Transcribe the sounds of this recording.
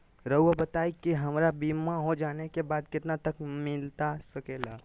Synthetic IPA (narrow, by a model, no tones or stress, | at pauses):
ɾəuabət̪aikiɦəmɾabimaɦod͡ʒanekebad̪kɪt̪nat̪əkmɪlt̪asəkela